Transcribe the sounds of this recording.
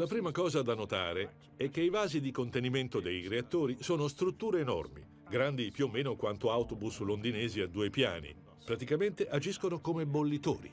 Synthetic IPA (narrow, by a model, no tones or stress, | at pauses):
lapɾiːmakɔːzad̪anːot̪a̰ːɾe | ɛk̟ːeivaːzid̪ikont̪eniment̪od̪ejɾeat̪ːoːɾisoːnost̪ɾut̪ːuːɾeːnɔ̰rmḭ | ɡɾand̪ipjuːmːeːnokwant̪oawt̪obuslond̪inɛːziad̪ːuːepja̰ːnḭ | pɾat̪ikament̪eʔad͡ʒiskonokomebolːit̪o̰ːɾḭ